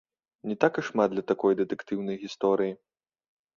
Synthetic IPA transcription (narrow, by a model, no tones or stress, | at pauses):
nʲɛt̪akɨʂmad̪lʲɐt̪akɔjd̪ɛt̪ɛkt̪ɨwnɐjɣʲist̪ɔɾɨji